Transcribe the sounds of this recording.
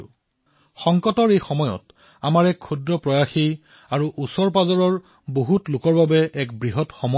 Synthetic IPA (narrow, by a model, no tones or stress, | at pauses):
xɔŋkɔtɔɹejxɔmɔjɔ̰t | amaɹɛkʰːudɹɔpɹɔjaxi | aɹuʔusɔɹp̬azɔɹɔɹ | boɦutlʊkɔɹbabɛʔɛkbɹiɦɔtxɔmɔ